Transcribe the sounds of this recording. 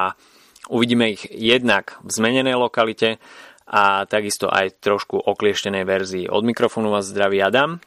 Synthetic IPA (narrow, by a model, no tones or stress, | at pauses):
a | uʋiɟiːmɛiɣjɛd̪naɡvzmɛɲɛnɛjlɔkalicɛʔat̪aɡist̪ɔ̰ʔa̰jt̪ɾɔʃkuʔɔklɪɛʃcɛnɛjʋɛɾzḭːʔɔ̰d̪mikɾɔfɔːnuʋaːzːd̪ɾaʋiad̪aːm